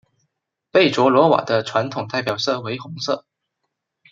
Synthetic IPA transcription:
pe˥˩ɪʈ͡ʂwɔ˧˥lwɔ˧˥wa̰˨˩d̪ə˦ʈ͡ʂʰwa˧˥nt̪ʰʊ˨˩ŋt̪a˥˩ɪpjɑ˨˩ʊsɤ˥˩we˧˥ɪxʊ˧˥ŋsɤ̰˥˩

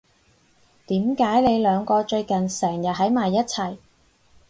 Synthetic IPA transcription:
t̪iː˨˥mkaː˨˥jne˨˧jlœː˨˧ŋkɔː˧t͡ʃɵ˧ɥkɐ˨nsɛː˨˩ŋjɐ˨t̚ɦɐ˨˥jmaː˨jːɐ˥t̚t͡sʰɐ˨˩j

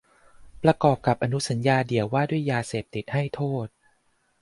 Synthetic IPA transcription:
pɾa˧kɔː˨˩p̚ka˨˩p̚ʔa˧nu˦˥sa˩˦njaː˧di˨˩˦əwaː˥˩du˥˩əjːaː˧seː˨˩p̚t̪i˨˩t̪̚ha˥˩jt̪ʰoː˥˩t̪̚

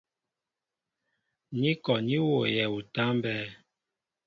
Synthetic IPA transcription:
ni˦kɔ˨ni˦wo˨jɛ˨u˨ta˦mbɛː˦

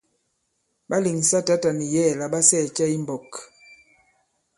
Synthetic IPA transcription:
ɓa˦li˨ŋ˨sa˦ta˦ta˨ni˨jɛ˦˨la˨ɓa˦sɛ˦˨t͡ʃɛ˦i˦mbɔ˨k

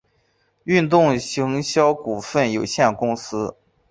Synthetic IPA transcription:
y˥˧nt̪ʊ˥˩ŋɕi˧˥ŋɕjɑ˥ʊku˨˩fə˥˩njo˨˩ʊɕjɛ˥˩nkʊ˥ŋsɹ̩˥

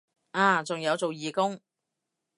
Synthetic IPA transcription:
aː˨˩t͡sʊ˨ŋjɐ˨˧wt͡so˨wjiː˨kʊ˥ŋ

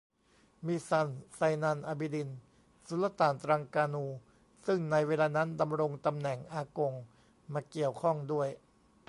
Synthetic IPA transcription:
miː˧sa˧nsa˧jnaː˧nʔaː˧bi˧di˧n | su˨˩˦la˧˥t̪aː˨˩nt̪ɾaː˧ŋkaː˧nuː˧ | sɯ˥˩ŋna˧jweː˧laː˧na˦˥nda˧mɾo˧ŋt̪a˧mnɛ˨˩ŋʔaː˧ko˧ŋ | maː˧ki˨˩əwkʰɔ˥˩ŋdu˥˩əj

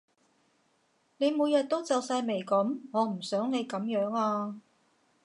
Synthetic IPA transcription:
ne˨˧jmuː˨˧jɐ˨t̚t̪o˥wt͡sɐ˨wsaː˧jme˨˩jkɐ˨˥mŋɔː˨˧m̩˨˩sœː˨˥ŋne˨˧jkɐ˨˥mjœː˨˥ŋaː˧

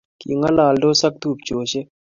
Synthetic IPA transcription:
kḭ˨ŋɡa˦laː˨lɖoːsɐ˦k̚t̪uː˨p̚t͡ʃoː˨ɕe˦

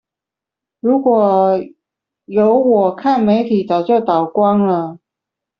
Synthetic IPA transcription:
ɻu˧˥kwɔ˨˩ | jo˧˥ʊwɔ˨˩kʰa˥˩nme˧˥ɪt̪ʰi˨˩t͡sɑ˨˩ʊt͡ɕjo˥˩ʊt̪ɑ˨˩ʊkwɑ˥ŋlə˨

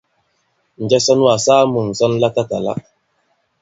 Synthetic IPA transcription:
n̩˨d͡ʒɛ˦sɔ˦n˦a˨sa˦mu˨n˨sɔ˦nla˦ta˦ta˨la̰˦

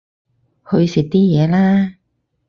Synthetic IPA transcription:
hɵ˧ɥsɪ˨k̚t̪iː˥jɛː˨˧laː˥

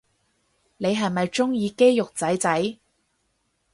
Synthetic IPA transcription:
ne˨˧jɦɐ˨jmɐ˨jt͡ʃʊ˥ŋjiː˧ke˥jjʊ˨k̚t͡sɐ˨˥jt͡sɐ˨˥j

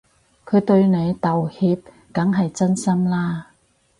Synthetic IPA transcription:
kʰɵ˨˧ɥt̪ɵ˧ɥne˨˧jt̪ɐ˨whiː˧p̚ | kɐ˨˥ŋɦɐ˨jt͡sɐ˥nsɐ˥mlaː˥

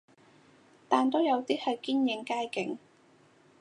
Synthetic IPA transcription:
t̪aː˨˩nt̪o˥wjɐ˨˧wt̪iː˥hɐ˨jkiː˥njɪ˨˧˥ŋkaː˥jkɪ˨˥ŋ

